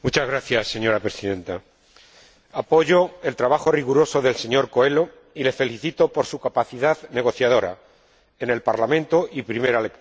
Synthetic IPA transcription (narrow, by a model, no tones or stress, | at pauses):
mut͡ʃazɣɾaθjasːe̞ɲo̞ɾapɾe̞siðẽ̞nt̪a | apo̞ʝo̞e̞lt̪ɾaβ̞axo̞riɣuɾo̞so̞ðe̞lse̞ɲo̞ɾko̞e̞lo̞ | ile̞fe̞liθit̪o̞po̞ɾsukapaθiðaðne̞ɣ̞o̞θjað̞o̞ɾa̰ | e̞ne̞lpaɾlamẽnt̪o̞ʔipɾime̞ɾalek